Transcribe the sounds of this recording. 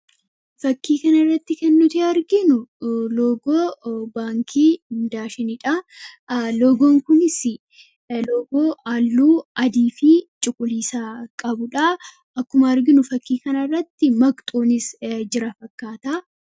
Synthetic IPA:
fɐkːiːkɐnɐɪrːɐt̪ːɪkɛnːʊt̪iɐɾɡɪnʊloːɡoːbaːŋkʰiːɪnd̪aːʃɛnɪᶑɐ | loːɡoːŋkʊnɪsɪ | loːɡoːaːlːuːɐd̪iːfit͡ʃʼʊkʼːʊliːsaːkʼɐbʊᶑɐ | ɐkːʊmɐːɾɡɪnʊfɐkːiːkɐnɐrːɐt̪ːɪmɐkʼt̪ʼoːnɪsd͡ʒɪɾɐfɐkːaːt̪aː

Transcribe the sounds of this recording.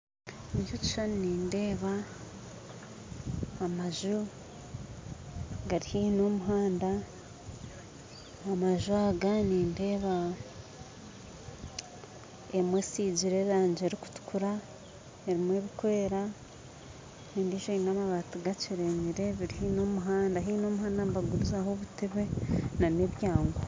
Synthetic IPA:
iɲʒuci̥ʃaniniːnde̞ːβa | maʒu | ɡaɾihino̞muɦaːnda | maʒuaɡaniːnde̞ːβa | emweːsiɟiɾe̞ɾaːɲd͡ʒeɾiku̥tu̥kuɾa | eɾimweβikoeeɾa | niːndiːʃoinamaβaːtuɡat͡ʃiɾeɲiɾe̞βiɾihino̞ːmuɦaːndaɦino̞ːmuɦaːndambaɡuɾuzaɦoβutʰeβe̞naneβjaːŋɡo

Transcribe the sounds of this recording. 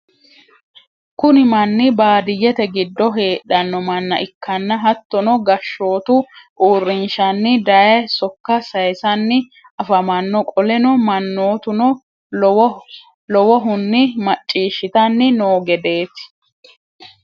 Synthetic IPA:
kʊnɪmɐnːɪbaːd̪ɪjːɛt̪ɛɡɪd̪ːɔɦe̞ːᶑɐnːɔmɐnːɐ̰ʔɪkːɐnːɐɦɐt̪ːɔnɔɡɐʃːo̞ːt̪ʊʔuːrːɪnʃɐnːɪd̪ɐjɛsɔkːɐsɐjsɐnːɪ | ɐfɐmɐnːɔkʼɔlɛnɔmɐnːoːt̪ʊnɔ | w | lɔwɔɦʊnːɪmɐt͡ʃʼːiːʃɪt̪ɐnːɪnoːɡɛd̪e̞ːt̪ɪ̥

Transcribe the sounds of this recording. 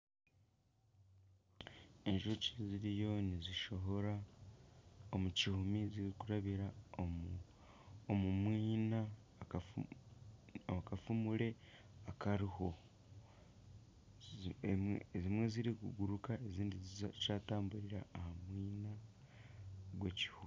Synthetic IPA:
e̞nʒuociziɾijo̞ːniziʃo̞ɦo̞ɾa | omucihumiziɾikuɾaβiɾa | omumwiːna | kafumuɾe̞ | akaɾiho̞ | zimwe̞ziɾikuɡuɾukaeziːndizaːtaːmbuɾiɾa̰ːhamwiːna | ɡweci̥hum

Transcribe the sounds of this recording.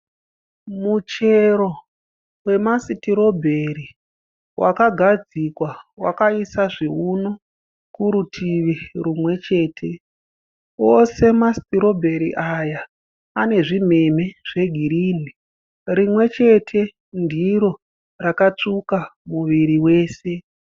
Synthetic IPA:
mut͡ʃe̞ɾo̞ | we̞masitiɾo̞bʱe̞ɾi | wʔa̰kaɡʱad͡zikwawa̰kaisaʐiuno | kuɾutʰiʋirumwe̞t͡ʃe̞ːtʰe̞ | ose̞masi̥tiɾo̞bʱe̞ɾiʔajaː | ne̞ʐime̞meʐ̥e̞ɡʱiɾiːni | rimwe̞t͡ʃe̞tʰe̞ | ndiɾo̞ | rakat͡ʂukamuʋiɾiwe̞ːse̞

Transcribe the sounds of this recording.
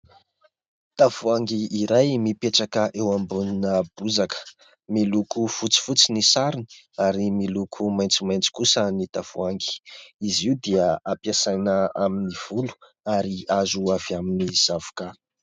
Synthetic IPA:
t̪avuaŋɡiːɾajmipeʈ͡ʂakəʔewambuninəb̥uzakə̥ | milukufut͡si̥fut͡sinisaɾini̥ | aɾimilukʰumajnt͡simajnt͡si̥kusənit̪av̥uaŋɡi̥iziud̪iəapiasajnəaminiv̥ulu̥ | aɾiazuaviaminiz̥avu̥ka

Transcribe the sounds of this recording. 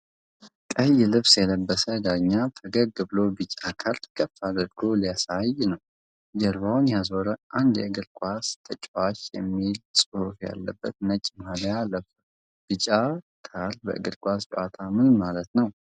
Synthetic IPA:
kʼəjːɪlɨβsjɛləbːəsəd̪aɲːafʰəɡəɡɨbɨlobɨt͡ʃʼːakʰalt̪ʰkʰʼəfːad̪əɾɡʰolijasajnəw | d͡ʒɛɾβawnjazo̞ɾəʔand̪jɛɨɡɨlkʼast̪ʰət͡ʃʼwaʃjɛ̰mːilsʼɨhufja̰lːəbːət̪nət͡ʃʼmhaljaləf | b̥ɨt͡ʃʼa | kʰalbə̰ʔɨ̰ɡɨlkʼast͡ʃʼʔat̪ʰamɨnmalət̪nəw

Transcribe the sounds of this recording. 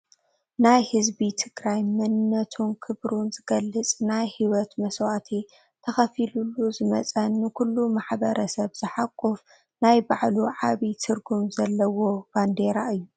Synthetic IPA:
najhɨzbit̪ʰɨɡɾajmɐnɨnːɐt̪ʰunkʰɨβɾunzɨɡɐlːɨt͡sʼnajhiwɔt̪mɐswat̪ʰi | t̪ʰɐxɐfilulːuzɨmɐ̰t͡sʼɐnːɨkulːumaħbɐɾʔɐsɐβzɨħakʼːuf | najbaʕluʕaβit̪ʰɨɾɡumzɐlːɐwo̞band̪eɾaʔɨjːu

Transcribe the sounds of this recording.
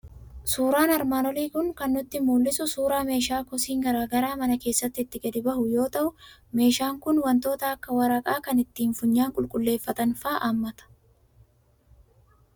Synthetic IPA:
suːɾaːnɐɾmaːnɔliːkʊŋkɐnːʊt̪ːɪmuːlːɪsʊsuːɾaːme̞ːʃaːkɔsiːŋɡɐɾaːɡɐɾaːmɐnɐke̞ːsːɐt̪ːɪːt̪ːɪɡɐd̪ɪbɐhʊjo̞ːt̪ɐʔʊme̞ːʃaːŋkʊnwɐnt̪o̞ːt̪ɐɐkːɐwɐɾɐkʼaːkɐnɪt̪ːiːnfʊɲːaːŋkʼʊlkʼʊlːe̞ːfːɐt̪ɐnfaːʔaːmːɐt̪ɐ̥

